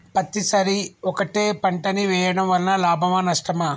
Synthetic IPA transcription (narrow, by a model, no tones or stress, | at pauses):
pɐt̪ːisɐɾiɔkɐʈeːpɐɳʈɐniʋɛːjɐɽɐmʋɐlnɐlaːbʱɐmɐnɐʂʈɐmɐ